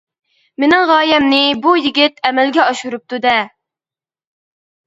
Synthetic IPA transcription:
menɪŋʁɑːjɛmnɪbujiɡʲɪt̪ɛmɛlɡʲɛɑʃuɾup̚t̪ʰud̪ɛ

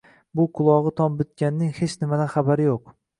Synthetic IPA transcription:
bʊqʰʊlˠɒʁɨt̪ʰɒmbɪt̪̚kʲanːɪŋhe̞t͡ʃnɪmad̪anχabaɾɪjoq

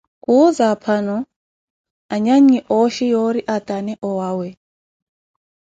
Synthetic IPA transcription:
kuzapʰanɔ | aɲaɲiʔɔʃijɔɾiʔat̪ʼanɛʔɔwawɛ

